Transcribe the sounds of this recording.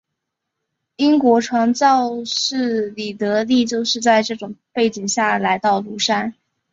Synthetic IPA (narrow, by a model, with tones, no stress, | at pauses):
i˥ŋkwɔ˧˥ʈ͡ʂʰwɑ˧˥ŋt͡sɑ˥˧ʊʂɻ̩˥˩li˨˩t̪ɤ˧˥li˥˧t͡ɕjo˥˧ʊʂɻ̩˥˧t͡sa˥˧ɪʈ͡ʂɤ˥˩ʈ͡ʂʊ˨˩ŋpe˥˩ɪt͡ɕi˨˩ŋɕja˥˩la˧˥ɪt̪ɑ˥˩ʊlu˧˥ʂa˥n